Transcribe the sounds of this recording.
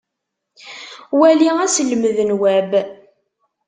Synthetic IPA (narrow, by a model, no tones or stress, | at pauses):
wæliæsəlməðənwæb